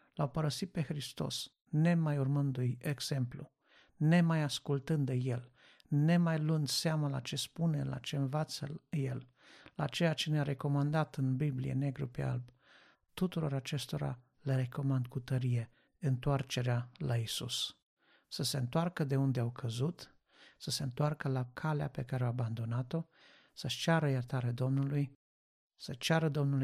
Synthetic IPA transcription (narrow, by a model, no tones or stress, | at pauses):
lawpəɾəsit̪̚pe̞xɾist̪o̞̰s | ne̞majurmɨnd̪ujeɡz̥e̞mplṵ | ne̞majaskult̪ɨnd̪əje̞l | ne̞majlund̪seamala̰t͡ʃe̞spune̞la̰t͡ʃe̞ɨnvat̪səje̞l | la̰t͡ʃe̞jat͡ʃe̞neaɾe̞ko̞mand̪at̪ɨnbiblḭje̞̰ne̞ɡɾupea̰lb | t̪ut̪uɾo̞ɾat͡ʃe̞st̪o̞ɾa̰ | leɾe̞ko̞mand̪kut̪əɾije̞ | ɨnt̪oart͡ʃe̞ɾealaisṵs | səse̞ɨnt̪oarkəd̪e̞und̪eawkʰəzut̪ | səseɨnt̪oarkəlakʰalea̰pe̞kaɾewaaband̪o̞nat̪o̞ | səʃt͡ʃaɾəjərt̪aɾead̪o̞mnuluj | sət͡ʃaɾəd̪o̞mnul